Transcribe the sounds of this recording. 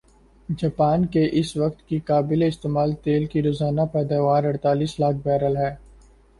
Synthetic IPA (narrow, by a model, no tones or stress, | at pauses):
d͡ʒaːpaːnkeʔɪsʋɐk̚t̪kikaːbɪleɪst̪eːmaːlt̪eːlkiɾoːzaːnapɛːd̪aːʋaːɾɐɽt̪aːliːslaːk̚ʰbɛːɾəlɦɛː